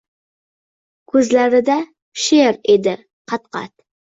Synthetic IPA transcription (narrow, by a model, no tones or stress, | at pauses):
kʰɵzlaɾɪd̪a | ʃeɾed̪ɪ | qʰɑt̪̚qɑ̰t̪̚